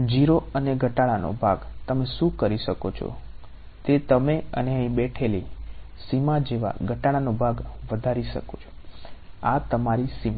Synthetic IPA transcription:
d͡ʒiɾoəneɡʱəʈaɭano̰bʱaɡt̪əmeʃũkəɾiʃəkot͡ʃʰo̰ | t̪et̪əmeə̰neɦəĩbɛʈʰeli | simad͡ʒeʋa̰ɡʱəʈaɭanobʱaɡʋəd̪ʱaɾiʃə̰kot͡ʃʰo̥ | at̪əmaɾisim

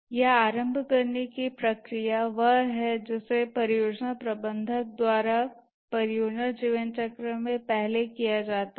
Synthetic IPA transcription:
jɛaːɾə̃mbʱkɐɾnekipɾɐkɾijaʋɐɦɦɛd͡ʒɪsepɐɾɪjoːd͡ʒnapɾɐbə̃nd̪ʱək̚d̪waːɾa | pɐɾɪjoːd͡ʒnad͡ʒiːʋənt͡ʃɐkɾəmẽpɛɦlekijad͡ʒaːt̪a

